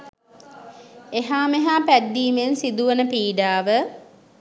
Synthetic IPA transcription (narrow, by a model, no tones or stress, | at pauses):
eɦaːmeɦaːpæd̪ːiːmensid̪uʋənəpiːɖaːʋə